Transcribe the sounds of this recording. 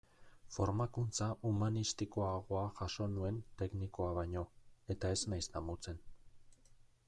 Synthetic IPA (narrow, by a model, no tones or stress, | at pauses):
fo̞ɾmakunt͡saʔumanist̪iko̞aɣ̞o̞aʝaʃo̞nue̞nt̪e̞kniko̞aβaɲo̞e̞t̪ae̞znajst̪amut͡se̞n